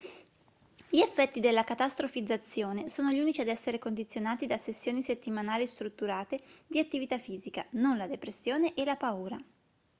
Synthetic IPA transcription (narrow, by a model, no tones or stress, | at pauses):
ʎiefːɛt̪ːid̪elːakat̪ast̪ɾofid̪zːat̪sːjoːnesoːnoʎuːnit͡ʃiad̪ɛsːeɾekond̪it̪sːjonaːt̪id̪asesːjoːniset̪ːimanaːlist̪ɾut̪ːuɾaːt̪ed̪iat̪ːivit̪afːiːzikanonlad̪epɾesːjoːneʔelapauːɾa